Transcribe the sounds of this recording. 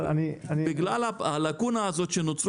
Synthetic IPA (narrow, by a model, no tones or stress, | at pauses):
anianiɪɡlalapalakunaːzot͡ʃenut͡s